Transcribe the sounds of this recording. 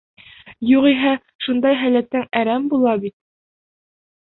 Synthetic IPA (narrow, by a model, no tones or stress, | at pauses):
juʁiɦæ | ʃund̪ɑjɦælæt̪ːæŋæɾæmbulˠɑbit̪̚